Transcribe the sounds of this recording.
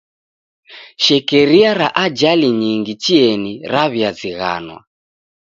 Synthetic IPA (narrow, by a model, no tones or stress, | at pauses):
ʃɛkɛɾiaɾaʔad͡ʒaliɲiŋɡit͡ʃiɛniɾaβjaziɣa̰nwa̰